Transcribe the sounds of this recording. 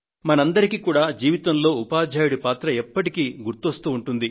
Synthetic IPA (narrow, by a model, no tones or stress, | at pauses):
mɐnɐnd̪ɐɾikiːkuːɽaːd͡ʒiːʋit̪ɐmlo̞ːupaːd͡ʒʱaːjuɽipaːt̪ɾɐɛpːɐʈikiːɡuɾt̪ːost̪uːɳʈund̪i